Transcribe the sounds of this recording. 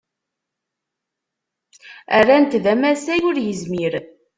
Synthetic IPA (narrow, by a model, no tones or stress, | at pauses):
æ̰rːænt̪ðæmæsæjʊɾjəzmiɾ